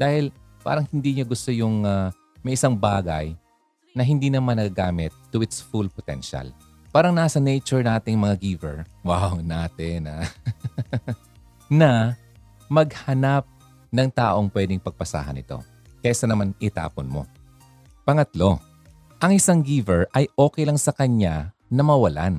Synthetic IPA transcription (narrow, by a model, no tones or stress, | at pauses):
d̪̥aːhɪl | pa̰ːɾɐŋhɪnd̪iːɲoɡʊst̪ojʊŋa | mɐjʔɪsaŋbaːɡɐ̰j | nɐɦɪnd̪iːnɐmanːɐɡɐɡaːmɪt̪ːʊʔɪt̪sfulpot̪ɛ̰nʃa̰l | paːɾɐŋnaːsɐnɛjt͡ʃʊɹnaːt̪ɪŋmɐŋaɡiːvɛ̰ɹwawnaːt̪ɪna | nɐ | mɐɡ̚hɐnap̚ | nɐŋt̪aːʔo̞ŋpwɛd̪ɪŋpɐɡ̚pɐsa̰ːɦɐ̰nɪ̰t̪o̞̰ | kɐjaʔɪsɐnɐmanʔɪt̪a̰ːponmo̞̰ | pɐŋɐt̪lo̞ | ʔɐŋʔɪsaŋɡiːvɛɹʔɐjʔoːkɛjlɐŋsɐkɐɲa | nɐmɐwɐla̰n